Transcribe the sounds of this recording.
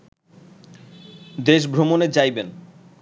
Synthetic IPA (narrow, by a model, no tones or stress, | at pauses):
d̪eʃbʱɾomoned͡ʑajben